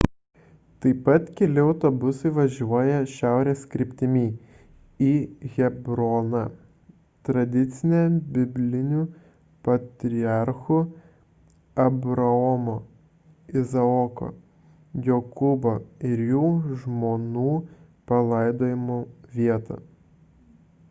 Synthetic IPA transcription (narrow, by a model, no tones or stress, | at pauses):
t̪ɐɪpɐt̪kʲɛlʲɪɒʊt̪obʊsɐɪʋɐʒʲuɔjɛʃʲæˑʊɾʲeːskɾʲɪpʲt̪ʲɪmʲiː | iːɣʲɛbɾoːnɐ | t̪ɾɐd̪ʲɪt̪sʲɪnʲɛbʲɪbʲlʲɪnʲu | pɐt̪ʲɾʲɪɑɾxʊ | ɐbɾɐɔmo | ɪzɐɔko̰ː | jokʊboɪɾjuːʒmoːnuː | pɐlˠɐɪd̪oːjɪmuʋʲiɛt̪ɐ̰